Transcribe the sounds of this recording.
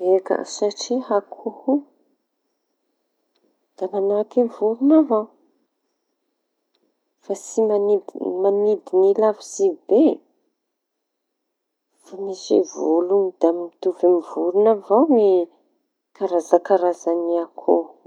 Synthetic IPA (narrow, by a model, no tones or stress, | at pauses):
eka̰saʈ͡ʂiɦakʰuhu | d̪̥amanakevuɾunavaw | fasimanid̪imanid̪inilafizibe | famisḛvolunid̪̥amit̪uvemivuɾunavawmi | kaɾazakaɾazaniakʰo